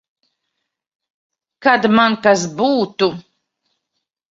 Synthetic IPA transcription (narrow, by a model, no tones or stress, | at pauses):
kad̪mankas̬buːt̪u